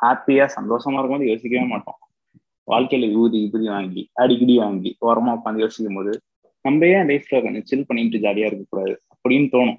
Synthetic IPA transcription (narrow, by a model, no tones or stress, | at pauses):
haːpɪjaːsɐnd̪oːʂɐmaːɪɾɯkːʋɐnd̪joːsɪkʲːɐʋeːmaːʈːõ̰ː | ʋʔa̰ːɭkɐlɐʋuːðiɪpːɯɾiʋaːŋɡiɐɽɪkɪɽiʋaːŋɡiɐɾɐmaːkːɐːnd̪ɯjoːsɪkːɯmpoːðɯ | nɐmbɐjeːlɐɪfɾɐːkɐnɯt͡ʃɪlpɐɳːɪʈːɯd͡ʒaːlɪjaːɪɾɯkːɐkːuːɽaːðɯɐpːɐɽɪjnːɯt̪oːɳʊ̃